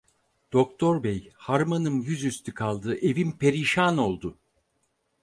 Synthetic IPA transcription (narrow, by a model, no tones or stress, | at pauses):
d̪̥o̞kt̪ʰo̞ɾbejhaɾmanɯmjyzyst̪ʰykʰalˠd̪ɯʔe̞vimpʰe̞ɾiʃaːno̞lˠd̪ʊ